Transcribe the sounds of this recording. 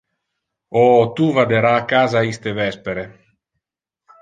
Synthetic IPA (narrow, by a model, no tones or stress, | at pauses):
ɔt̪uvad̪eɾaːkaːzaist̪evɛspeɾe